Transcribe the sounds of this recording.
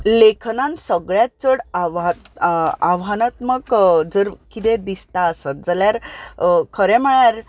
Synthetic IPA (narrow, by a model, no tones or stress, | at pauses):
lekʰnãnsəɡɭjat̪̚t͡səɽaʋat̪aʋɦanat̪məɡd͡zəɾkit̪ẽd̪ist̪aəsət̪̚d͡zəljaɾ | kʰəɾɛməɭjaɾ